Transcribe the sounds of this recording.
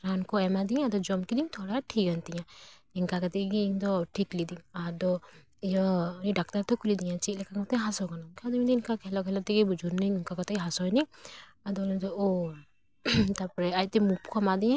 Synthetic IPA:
ɾankɔɛmad̪ĩad̪ɔd͡ʒɔmkid̪iŋt̪ʰɔɽaʈʰik̚ɡant̪iɲãinkakat̪ɛɡiŋd̪ɔʈʰiklid̪imad̪ɔ | ijɔniɖak̚t̪aɾt̪ɔkulid̪iɲãt͡ʃilɛkakat̪ɛɦasɔkanɔmkad̪ɔid̪ɔinkakɦɛlɔkɦɛlɔt̪ɛɡibud͡ʒuɾniiŋkakɔt̪ɛɦasɔjni | ad̪ɔlɔnt̪ɔo | t̪apɔɾɛaj̚t̪ɛmupkʰɔmad̪iã

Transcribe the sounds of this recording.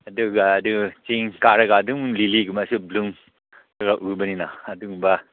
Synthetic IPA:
aduɡaːdut͡ʃiŋkaɾɐɡaduŋliliɡumasubluŋ | ɾaɡaʔubɐninaːduŋba

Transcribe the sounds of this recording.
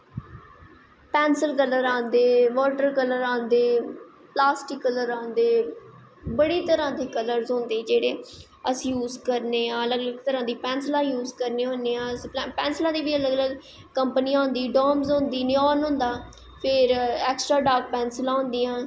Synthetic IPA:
pɛːnsəlkələɾãːnd̪eːʋɔːʈəɾkələɾãːnd̪eː | plaːsʈɪkːələɾãːnd̪eː | bəɽiːt̪əɾãːd̪iːkələɾzɦõːnd̪eːd͡ʒeːɽeː | əsĩːjuːzkəɾneːãːələɡələɡt̪əɾãːd̪iːpɛ̃ːnslãːjuːzkəɾneːɦõːneːãːspɛ̃ːnslãːd̪iːʋiːələɡələɡ | kəmpəniːãːɦʊ̃nd̪iːɖɔːmzõːnd̪iːnɪɔːnɦõːnd̪aː | pʰɪɾɛːksʈɾaːɖaːk̚pɛːnslãːɦʊ̃ːnd̪iːãː

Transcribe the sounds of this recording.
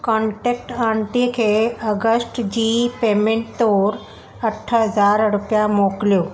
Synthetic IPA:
kɔ̃ɳʈek̚ʈaɳʈikʰeəɡəsʈd͡ʑiːpemeɳʈt̪oɾ | əʈʰːəɦəd͡zaɾɾupjamokljo

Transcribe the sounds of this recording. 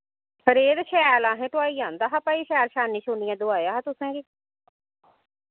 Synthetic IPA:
ɾeːd̪ʃɛːlãːɦɛ̃ːʈʊaːiːãːnd̪aːɦaːpaːiːʃɛːɾʃaːnĩːʃʊnɪjãːd̪ʊaːjaːɦaːt̪ʊsãːɡiː

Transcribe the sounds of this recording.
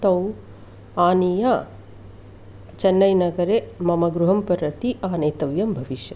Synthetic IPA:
t̪ɐw | aːnija | t͡ʃɐnːɐjnɐɡɐɾemɐmɐɡɾuɦɐmpɐɾɐt̪iʔaːnɐjt̪ɐʋjɐmbʱɐʋiʃjɐ

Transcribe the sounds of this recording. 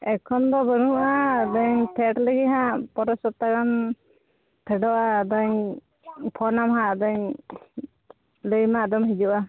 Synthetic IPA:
ɛkʰɔnd̪ɔbənuʔad̪əɲpʰɛʈləɡiɦãpɔɾɔsɔt̪akan | p̪ʰɛɖɔʔad̪əɲ | pʰɔnamɦaʔd̪əɲ | ləjmad̪ɔmɦid͡ʒuʔa

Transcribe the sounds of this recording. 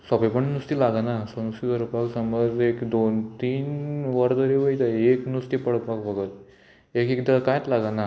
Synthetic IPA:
sɔbepəɳnust̪ilaɡanasənust̪id̪əɾəpaksəməd͡zekd̪ont̪iːnʋəɾd̪əɾeʋəjt̪aeknust̪ipəɽpakbəɡət̪ | ekekd̪akajt̪laɡana

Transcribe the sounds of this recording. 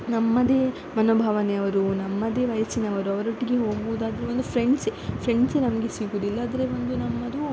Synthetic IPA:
nɐmːɐd̪e̞ː | mɐnoːbʱaːʋɐneɐʋɐɾunɐmːɐd̪e̞ːʋɐjɐsinɐʋɐɾuɐʋɐɾoʈːiɡeɦoːɡbuːd̪aːd̪ɐɾeond̪upʰɾeɳɖsepʰɾe̞ɳɖsenɐmɐɡe̞siːɡuːd̪uilːaːd̪ɐɾeʋond̪unɐmːɐd̪u

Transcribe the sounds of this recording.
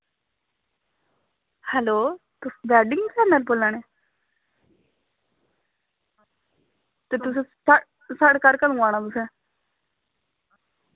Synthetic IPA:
hɛloːt̪ʊsbɛːɖɪŋsɛːnəlpoːlːãːneː | t̪eːt̪ʊs̬ẽː | səɽkaɾkəlũːãːnaːt̪ʊsẽː

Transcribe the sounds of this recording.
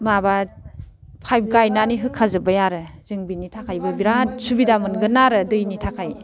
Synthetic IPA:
maba | pʰajb̚ɡajnaniɦɯkʰazɯbajaɾɯzɯŋbinitʰakʰajbɯbiɾatsubidamɯnɡɯnaɾɯdɯjnitʰakʰaj

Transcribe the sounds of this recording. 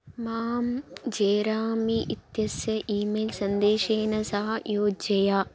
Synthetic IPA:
maːmd͡ʒeːɾaːmiʔit̪jɐsjɐʔiːmeːlsɐnd̪eːʃeːnɐsɐɦɐjoːd͡ʒɐjaː

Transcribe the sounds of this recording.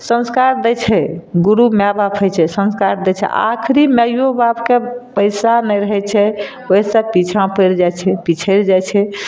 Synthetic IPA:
sə̃nskaɾd̪ɛt͡ʃʰɛɡuɾumabapʰəjt͡ʃʰɛsə̃nskaɾd̪ɛt͡ʃʰɛ̰ʔa̰kʰɾiməjjobapkepəɪsanɛjɾəɦɛt͡ʃʰɛ | oisəpit͡ʃʰãpəjɾd͡ʒat͡ʃʰɛpit͡ʃʰəɾd͡ʒajt͡ʃʰɛ

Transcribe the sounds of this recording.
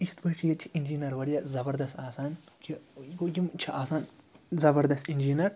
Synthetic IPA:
it͡ʃʰt̪bɐt͡ʃʰijɐt͡ʃʰiind͡ʒinɐɾʋɐɾijɐzɐbɐɾd̪ɐst̪aːsaːn | kʲʰiɡoɡʲimt͡ʃʰɐʔaːsaːnzɐbɐɾd̪ɐst̪ind͡ʒinɐɾ

